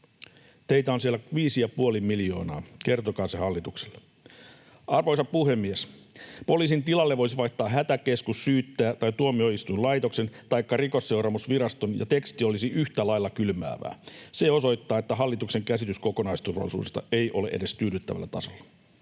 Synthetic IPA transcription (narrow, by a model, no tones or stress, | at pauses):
t̪ejt̪æonsielːæʋiːsijɑpuolimːilijo̞̰ːnɑ̰ːke̞rt̪okɑːsehɑlːit̪ukse̥lːe | ʔɑrʋojsɑppuhe̞mːies | po̞liːsint̪ilɑlːeʋʋojsiʋɑjht̪ːˑɑːɦæt̪æke̞skusːyːt̪ːæːt̪ɑjt̪uomio̞ist̪ujnlɑjt̪o̞kse̞nt̪ɑjkːɑriko̞sːe̞wɾɑmusʋiɾɑst̪onjɑ̰t̪e̞kst̪io̞lisiʔyht̪ælɑjlːɑkylmæ̰ːʋæ̰ːseo̞so̞jt̪ːɑːet̪ːæɦɑlːit̪ukse̞ŋkæsit̪yskoko̞nɑist̪urʋɑ̰lːˑisṵːdest̪ɑ̰ejʔo̞lḛʔḛde̞st̪yːɾyt̪ːæ̰ʋæ̰lːæt̪ɑsolːɑ̥